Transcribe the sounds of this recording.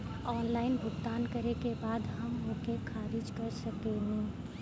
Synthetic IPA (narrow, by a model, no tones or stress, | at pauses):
ɔːnlaːɪnbʱʊkt̪aːnkəɾekebaːd̪ɦəmɦõkekʰaːɾɪd͡ʒkəɾsəkenɛ̃